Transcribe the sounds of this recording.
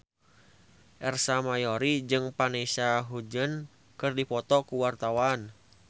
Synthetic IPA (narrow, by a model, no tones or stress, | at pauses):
ʔɛrsamajɔɾid͡ʒɨŋpanɛsaɦud͡ʒən | kɨrdipɔt̪ɔkuwart̪awan